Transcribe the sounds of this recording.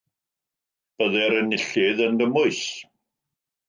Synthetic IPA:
b̥əðɛɾənɪɬɪðəndəmʊɨs

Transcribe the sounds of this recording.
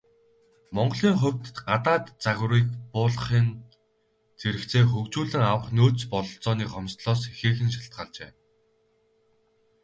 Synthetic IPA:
mɔɴɢɞ̆ɮiːŋχɵw̥ʲt̪ɢat̪aːt̪t͡saɣʲriːk̚pʊːɮ̆χiːn | t͡sʰeɾɘ̆kt͡sʰeːxɵkt͡ɕuːɮɘ̆ŋawə̆χnoːt͡spɔɮɞ̆ɬt͡sɔːniːkɔmst̪ɮɔːsexeːxɘ̆nʃḁɬt̪̚ɢaːɮt͡ɕḛː

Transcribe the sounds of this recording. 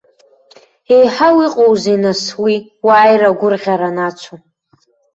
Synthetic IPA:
e̞jħawiqʼowzinaswi | waːjraɡʷʊrʁʲaɾanat͡ʃʷʰo

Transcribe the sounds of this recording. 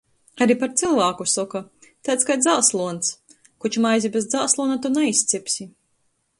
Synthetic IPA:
aɾipaɾt̪silˠvaːkusɔkat̪at̪skajd̪zaːslˠuɔns | kut͡ʃmajzʲibezd̪zaːslˠuɔnat̪unaisʲt̪sipʲsʲi

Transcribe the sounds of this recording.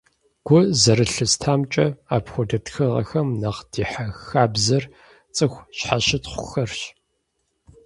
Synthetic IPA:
ɡ̥ʷʊzɐɾɨɬɨstʰaːmt͡ʃʼɐaːpxʷɔdɐtxɨʁɐ̰xɐmnɐqd̥iːħaxaːbzɐr | t͡sʼɨxʷɕħaɕɪtχʷʊxɐrɕ

